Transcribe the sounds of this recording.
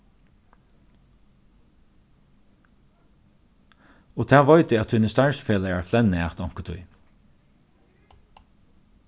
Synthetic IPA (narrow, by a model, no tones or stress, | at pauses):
ɔt̪ʰɛːʋɔʏt̪ɪat̪hunəst̪aɹsfeːlaɛɹflɛnːæht̪ɔŋ̥kət̪ʰʊ̰j